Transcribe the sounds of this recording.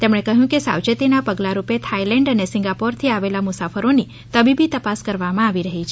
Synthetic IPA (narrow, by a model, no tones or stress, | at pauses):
t̪emɽ̃ekəɦjũkesa̰wt͡ʃət̪inapəɡlaɾupet̪ʰailɛ̃ɳɖənesɪ̃ŋɡapɔɾt̪ʰiaʋelamʊsafəɾoni | t̪əbibit̪əpaskəɾʋamãaʋiɾəɦit͡ʃʰe